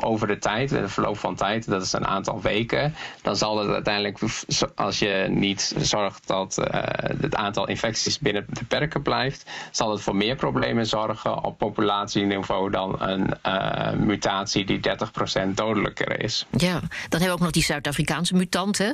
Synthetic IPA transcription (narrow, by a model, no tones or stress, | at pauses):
ʔowvəɹdətʰɛjtnəvəɹlo̰wpfɑntʰɛjtdɑtɪ̥sə̰nʔa̰ːntɑ̰lˠʋejkəd̥ɑnzɑlˠdɑtœ̰ɥtɛjndələkɑ̰lˠsjənitz̥ɔɹχt̚dɑt | ətaːntɑlˠʔɪ̰nfɛksisbɪnəbəpɛɹkəblɛjftz̥ɑlˠdɑtfʊːɹmɪːɹproblejmənzɔɹɣə̰nɔ̰pːopylaːtsiniv̥owdɑnə̰n | mytaːtsididɛɹtəχprosɛnt̚dowdələ̰kə̰rɪ̰sjad̥ɑnɦɛbəowk̚nɔχdisœɥtaːfrikaːnsəmytɑntə